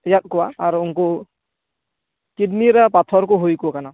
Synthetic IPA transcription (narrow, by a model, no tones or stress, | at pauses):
jat̪̚kɔwaːɾuːŋku | kidniɾapat̪ʰɔɾkʊɦojkukana